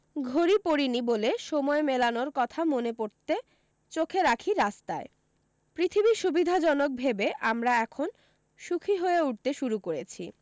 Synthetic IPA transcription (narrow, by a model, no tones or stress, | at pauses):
ɡʱoɾipoɾiniboleʃɔmɔemelanoɾkɔt̪ʰamonepoɾt̪e | t͡ɕokʰeɾakʰiɾast̪ae | pɾit̪ʰibiʃubid̪ʱad͡ʑɔnok̚bʱebeʔamɾaɛkʰon | ʃukʰiɦoeuʈt̪eʃuɾukoɾet͡ɕʰi